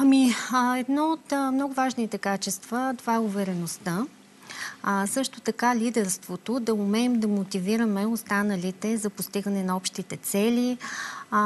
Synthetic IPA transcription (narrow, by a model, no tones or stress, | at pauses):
ɐmiɛd̪nɔot̪mnɔɡʊvaʒnit̪ɛkat͡ʃɛst̪v̥ət̪ovaɛʊvɛɾɛnost̪a | sɤʃt̪ʊt̪ɐkalʲid̪ɛɾst̪vot̪od̪ɐʊmɛimd̪ɐmot̪iviɾəmɛost̪anəlit̪ɛzɐpost̪iɡənɛnɐɔpʃt̪it̪ɛt̪sɛlʲi